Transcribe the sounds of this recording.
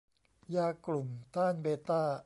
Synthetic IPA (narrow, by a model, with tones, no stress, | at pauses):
jaː˧klu˨˩mt̪aː˥˩nbeː˧t̪aː˥˩